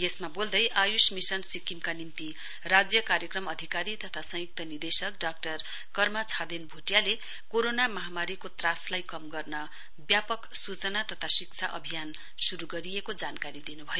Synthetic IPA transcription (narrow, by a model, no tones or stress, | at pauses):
jesmabold̪ʌjʔajusmisʌnsikimkanimt̪i | rad͡zjʌkaɾjʌkrʌmʌd̪ʱikaɾit̪ʌt̪ʰasʌ̃juk̚t̪ʌnird̪esʌkɖak̚ʈʌr | kʌrmat͡sʰad̪enbʱuʈjale | koɾonamʌɦamaɾikot̪raslajkʌmɡʌrnʌ | bjapʌksut͡sʌnat̪ʌt̪ʰasik̚t͡sʰa̰ʔʌ̰bʱijan | suɾuɡʌɾiekod͡zankaɾid̪inubʱʌjo